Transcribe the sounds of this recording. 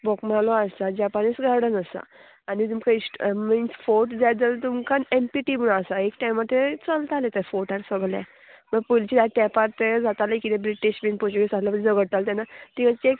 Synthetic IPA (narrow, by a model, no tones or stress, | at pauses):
bɔkmalɔaad͡ʑapanisɡaɽənəsa̰ | anit̪umkaisʈminsfoʈd͡zad͡zət̪umkanempiʈibunasaekʈajmat̪ʰet͡səlt̪alet̪ɛfoʈaɾsəɡlja̰ | məɡ̚pult͡ɕid̪at̪ɛ̃paɾt̪ed͡zat̪aləkit̪ebɾiʈiɕbinpot͡ɕiɡesat̪lapəɾd͡zəɡəɽt̪alt̪ɛnat̪ĩɡãt͡ɕek